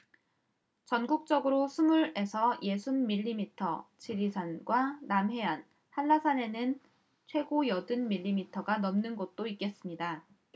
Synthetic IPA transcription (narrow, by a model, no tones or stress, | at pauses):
t͡ɕʌnɡuk̚t͡ɕ͈ʌɡɯɾosʰumuɾe̞sʰʌje̞sʰunːiʎːimitʰʌt͡ɕiɾisʰanɡwanamɦe̞an | hanːasʰane̞nɯn | t͡ɕʰwe̞ɡojʌdɯnmiʎːimitʰʌɡanʌmnɯnɡʌt̚t͈oik͈e̞s͈ɯmɲida